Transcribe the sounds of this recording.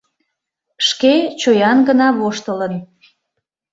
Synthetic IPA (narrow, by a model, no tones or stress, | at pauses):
ʃket͡ɕojɑnɡənɑβoʃt̪ələn